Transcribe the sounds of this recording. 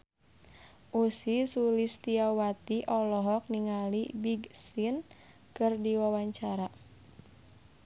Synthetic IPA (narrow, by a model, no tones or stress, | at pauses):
ʔusisulist̪iawat̪iʔɔlɔɦɔk̚niŋalibiɡsin | kɨrdiwawaɲt͡ʃaɾa